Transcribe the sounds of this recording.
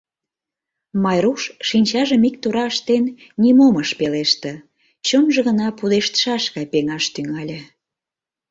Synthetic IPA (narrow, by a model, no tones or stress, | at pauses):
mɑjɾuʃʃinʲt͡ɕɑʒəmik̚t̪uɾɑəʃt̪en | nʲimoməʃpeleʃt̪ə̆ | t͡ɕomʒə̆ɣənɑpud̪eʃt̪ə̥ʃɑʃɣɑjpeŋɑʃt̪yŋɑlʲe